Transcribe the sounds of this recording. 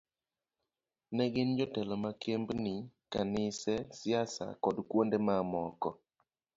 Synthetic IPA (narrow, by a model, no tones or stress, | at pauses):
nɛɡɪnd͡ʒɔtɛlɔmakʰembnɪkanɪsɛsɪasa̰kɔdkwondemamɔkɔ